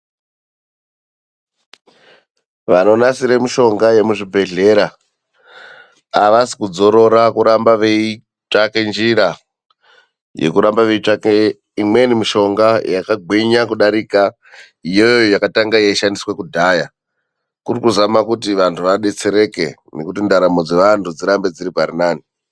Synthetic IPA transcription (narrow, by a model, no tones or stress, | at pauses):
ʋano̞nasiɾemiʃo̞ŋɡaje̞muʐibʱe̞ɮe̞ɾa | ʋasi̥kud͡zo̞ɾo̞ɾakuɾambaʋei | t͡ʂake̞nd͡ʒiɾa | je̞̰kuɾambaʋe̞it͡ʂake | imwe̞nimiʃo̞ŋɡajakaɡʱweɲakuɗaɾika | ijo̞joojojakataŋɡajeiʃandiswe̞kudʱaːja | kurikuzamakutiʋantʰuʋaɗe̞t͡se̞ɾe̞ke̞̰ne̞kutindaɾamo̞d͡ze̞ʋantʰud͡ziɾambe̞d͡ziɾiparinaːni